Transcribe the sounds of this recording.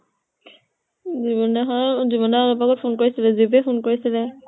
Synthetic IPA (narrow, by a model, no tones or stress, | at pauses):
ziβɔnɛɦɔziβɔnɛɔlɔbaɡɔt̚pʰonkoɹisilɛzibɛpʰonkoɹisilɛ